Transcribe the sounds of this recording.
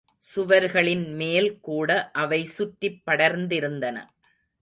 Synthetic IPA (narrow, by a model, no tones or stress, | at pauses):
sʊʋɐɾɣɐɭɪnmeːlkuːɽɐʔɐʋɐɪsʊʈːɪpːɐɽɐɾnd̪ɪɾɯnd̪ɐnɐ̰